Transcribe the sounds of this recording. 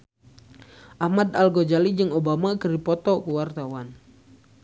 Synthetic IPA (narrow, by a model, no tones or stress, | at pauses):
ʔahmad̪alɡɔd͡ʒalid͡ʒɨŋobamakəripɔt̪ɔkuwart̪awan